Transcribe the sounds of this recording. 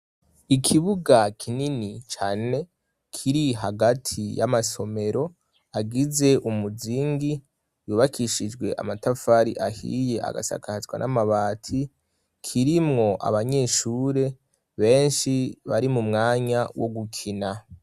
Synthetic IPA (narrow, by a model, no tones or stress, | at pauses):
ikʰiβuɡakʰininit͡ʃaːne̞ | kʰiɾiɦaɡatʰijamaso̞me̞ɾo̞ | aɡize̞ʔumuziŋɡi | juβakʰiʃid͡ʒɡwe̞̰ʔa̰matafaɾḭʔahḭje̞a̰ɡa̰sa̰kahzɡwa̰nʔamaβaːtʰi | kʰiɾimŋo̞ʔa̰βaɲe̞ːʃuːɾe̞ | βe̞ːnʃiβaɾimumŋaːɲawo̞ɡukʰina